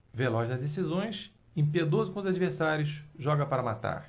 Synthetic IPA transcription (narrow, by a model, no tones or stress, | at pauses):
velɔzd̪ɐd̪es̬izõj̃s | ẽpied̪ozʊkõʊzad͡ʒiveɾsaɾʲjʊsʒɔɡɐpaɾɐmat̪a̰ɾ